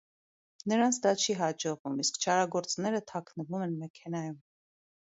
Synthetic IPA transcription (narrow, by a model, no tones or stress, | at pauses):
nəɾɑnt͡sʰd̪ɑt͡ʃʰiɦɑd͡ʒɔʁvumiskt͡ʃʰɑɾɑɡɔɾt͡snɛɾət̪ʰɑkʰnəvumɛnmɛkʰɛnɑjum